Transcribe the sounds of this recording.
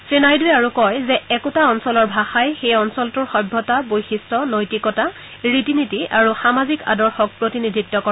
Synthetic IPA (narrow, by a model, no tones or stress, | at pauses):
sɹinajduɛaɹukɔjzɛɛkʊtaɔnsɔlɔɹbʱaxajxejɔnsɔltʊɹxɔjbʱːɔtabojxistɔnojtikɔta | ɹitinidʱiaɹuxamazika̰dɔɹxɔk̚pɹotinidʱitːɔkɔ